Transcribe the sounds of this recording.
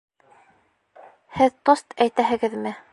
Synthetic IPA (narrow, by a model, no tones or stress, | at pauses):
hɘðt̪ost̪æjt̪æɦɘ̆ɡɘðmɘ